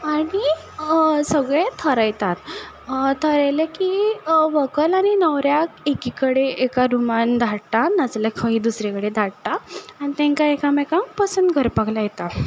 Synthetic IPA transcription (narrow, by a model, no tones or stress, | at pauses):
aɽi | səɡɭet̪ʰəɾəjt̪at̪ | t̪ʰəɾəjlekiʋəkəlaɽ̃inəʋɾjakekikəɽeekaɾumand̪ʱaɽt̪anad͡zlakʰə̃ɦĩd̪usɾekəɽed̪ʱaɽt̪aañit̪ɛ̃ŋkaekamɛkãmpəsənd̪ɡʱəɾpəɡlajet̪a